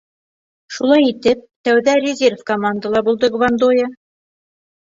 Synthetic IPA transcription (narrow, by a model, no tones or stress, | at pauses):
ʃulˠɑjit̪ɘp̚t̪æwðærʲɪzʲerfkomand̪əlˠɑbulˠd̪ɤɡvand̪ojɤ